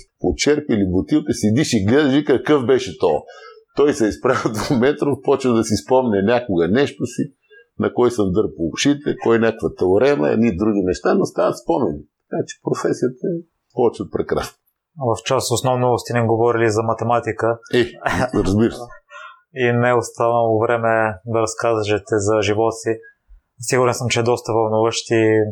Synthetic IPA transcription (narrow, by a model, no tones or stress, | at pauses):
pot͡ʃɛɾpilibʊt̪ilˠkəsid̪iʃiɡlɛd̪ɐʒikɐkɤfbɛʃɛt̪ɔ̰t̪ɔjsɛispɾalˠd̪omɛt̪ɾopɔt͡ʃəd̪ɐsispɔmnɛnʲakoɡənɛʃt̪osi | nɐkɔjsəmd̪ɤɾpolˠʃit̪ɛ̰kɔjnʲakokvət̪ɐʊɾɛmə̰ɛ̰nid̪ɾuɡ̟inɛʃt̪anost̪aət̪spɔmɛnit̪ɐ̥kat͡ʃɛ̥pɾofɛsiət̪ə | xɔt͡ʃət̪̚pɾɛkɾa̰sno | vɐft͡ʃasosnɔvnost̪iniɡovɔɾilizɐmɐt̪ɛmat̪ikəɛɾɐzbiɾəs | inɛɛost̪anəlˠovɾɛmɛd̪ɐɾɐskazʒɛt̪ɛzɐʒivɔt̪si | siɡʊɾɛnsɤmt͡ʃɛd̪ɔst̪əvɐlˠnuvəʃt̪i